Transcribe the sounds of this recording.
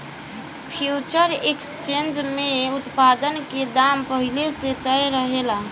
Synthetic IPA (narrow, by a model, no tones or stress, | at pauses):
pʰjut͡ʃəɾekst͡ʃend͡ʒmeut̪pad̪ənked̪ampəɦileset̪əjɾəɦela